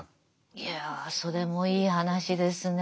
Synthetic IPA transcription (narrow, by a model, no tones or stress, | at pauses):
jaso̞ɾe̞mo̞iːɦanaɕid̪e̞sɨn